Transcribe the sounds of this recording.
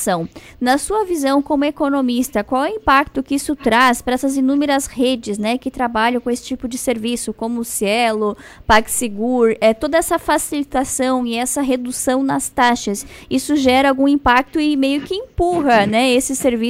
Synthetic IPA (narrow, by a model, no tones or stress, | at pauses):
sɐ̃w̃ | nɐsuɐvizɐ̃w̃kõmʊekonomist̪ɐkwawɛĩpak̚t̪ʊkɪisʊt̪ɾaspɾɐɛsɐzinũmeɾɐshed͡ʒɪznɛkɪt̪ɾabaʎɐ̃kõesɪ̥t͡ʃipʊd͡ʒɪseɾvisʊkõmʊːsiɛlʊpakseɡuɾɛt̪od̪ɐɛsɐfasilit̪asɐ̃w̃ɪɛsɐɦed̪usɐ̃w̃nɐst̪aʃɐsisʊʒɛɾɐawɡũĩmpak̚t̪ʊɪmejʊkɪẽpuɦɐnɛesɪseɾvi